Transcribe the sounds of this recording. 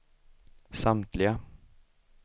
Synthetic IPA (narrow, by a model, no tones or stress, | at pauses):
samt̪ʰlɪɡa